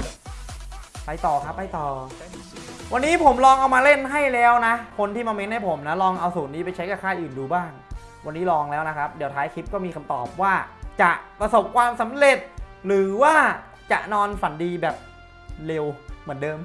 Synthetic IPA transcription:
pa˧jt̪ɔː˨˩kʰa˦˥pːa˧jt̪ɔː˨˩ | wa˧nːiː˦˥pʰo˩˦mlɔː˧ŋʔa˧wmaː˧le˥˩nɦa˥˩jlɛː˦˥wna˦˥kʰo˧nt̪ʰiː˥˩maː˧me˦˥nha˥˩jpʰo˩˦mna˦˥lɔː˧ŋʔa˧wsuː˩˦nːiː˦˥pa˧jt͡ɕʰa˦˥jka˧˩kʰaː˥˩jʔɯː˨˩nduː˧baː˥˩ŋ | wa˧nːiː˦˥lɔː˧ŋlɛː˦˥wna˦˥kʰa˦˥p̚di˨˩˦wt̪ʰaː˦˥jkʰi˦˥p̚kɔː˥˩miː˧kʰa˧mt̪ɔ̰ː˨˩p̚waː˥˩t͡ɕa˨˩ʔpɾa˧so˨˩p̚kʰwaː˧msa˩˦mɾe˨˩t̪̚ɾɯː˩˦waː˥˩ | t͡ɕa̰˨˩ʔnɔː˧nfa˨˩˦ndiː˧bɛː˨˩p̚ | le˧wmɯ˩˦ndɤː˧m

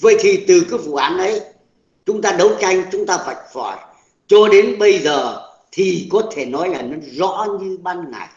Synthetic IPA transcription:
və̰˧˨jt̪ʰi˨˩t̪ɨ˨˩kaː˨˦vṵ˧˨ʔaː˨˦nʔə˨˦j | t͡ɕʊ˨˦ŋ͡mt̪aː˧ɗə˨˦wt͡ɕa˧jŋ̟t͡ɕʊ˨˦ŋ͡mt̪aː˧va̰˧˩jk̚fɔ˧˩j | t͡ɕɔ˧ɗe˨˦nɓə˧jzəː˨˩ | t̪ʰi˨˩kɔ˨˦t̪ʰe˧˩nɔ˨˦jlaː˨˩nə˨˦nzɔ̰˧˥ɲɨ˧ɓaː˧nŋa̰˨˩j

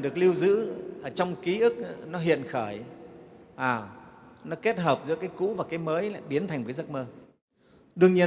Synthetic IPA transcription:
ɗɨ˨˩ək̚li˧əwzɨ̰˧˥ʔəː˧˩t͡ɕɔ˧wŋ͡mki˨˦ʔɨ˦˥k̚nɔ˨˦ɦḭ˧˨ənxəː˧˩j | ʔaː˨˩nɔ˨˦ke˦˥t̚ɦəː˨˩p̚zɨ̰˧˥əkaː˨˦jkṵ˧˥vaː˨˩kaː˨˦jməː˨˦jla̰ː˧˨jɓi˨˦ənt̪ʰa˨˩ŋ̟vəː˨˦jzə˦˥t̚məː˧ | ɗɨ˨˧əŋɲi˧ə

